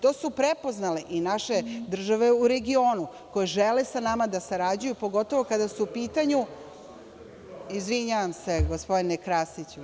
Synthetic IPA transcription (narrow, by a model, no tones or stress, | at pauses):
t̪o̞ːsupɾepo̞znaleʔinaʃe̞d̪r̩ʒaʋe̞uɾe̞ɡio̞ːnu | ko̞jeʒelesanamad̪asaɾad͡ʑujupo̞ɡo̞t̪o̞ʋo̞kad̪asuupiːt̪aɲu | izʋiɲaʋamse̞ɡospo̞d̪inekɾast̪it͡ɕu